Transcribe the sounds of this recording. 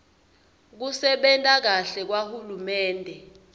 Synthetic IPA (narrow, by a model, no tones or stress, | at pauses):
k̬usɛɓɛntʼak̬aɬɛk̬wahulumɛːndʱɛ